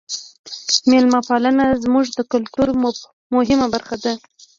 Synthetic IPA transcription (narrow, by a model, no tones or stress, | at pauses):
melmapalanazmuʐd̪əkʊlt̪uɾ | mʊɦɪmabaɾxad̪a